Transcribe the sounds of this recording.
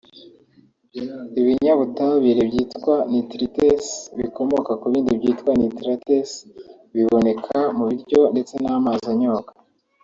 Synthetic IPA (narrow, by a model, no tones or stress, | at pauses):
iβiɲaβutaβiɾebɟiːtkwanitɾitesβiko̞mo̞kakuβiːndibɟiːtkwanitɾates | βiβo̞ne̞kʰamuβiɾɟo̞nde̞t͡se̞naːmazaɲokḁ